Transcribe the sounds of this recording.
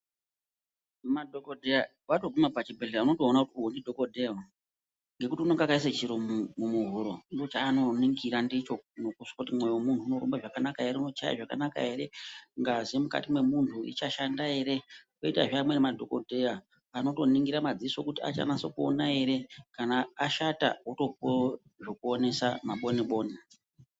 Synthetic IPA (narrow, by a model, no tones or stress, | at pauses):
madʱokodʱea | ʋatoɡumapat͡ʃibʱeleaano̞to̞ːnakutiuɦondidʱo̞kodʱeo | ŋɡe̞kutiunoŋɡakais̬et͡ʃiɾommumuɦuɾondot͡ʃaːno̞niŋɡiɾandit͡ʃonokuʂkakutimwejowomuntʰuunoɾombaʐakanakae̞ɾeuno̞t͡ʃa̰ja̰ʐaka̰naka̰ɦe̞ɾe̞ŋɡazemuka̰timwe̞muntʰuḭt͡ʃaʃandae̞ɾe̞koita̰ʐamwe̞nemadʱo̞kodʱeja | ano̞to̞niŋɡiɾamad͡ziso̞kutia̰t͡ʃa̰nasokuo̰nae̞ɾe̞kanaːʃata̰uto̞p̚o | ʐo̞kuone̞samaɓo̞niɓo̞ːni